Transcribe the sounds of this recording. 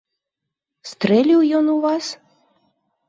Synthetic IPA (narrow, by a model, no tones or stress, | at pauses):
st̪relʲiwjonuvɑs